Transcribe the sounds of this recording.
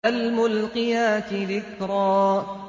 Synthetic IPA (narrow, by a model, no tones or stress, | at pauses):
almʊlqɪjaːt̪ɪðɪkɾˤɑː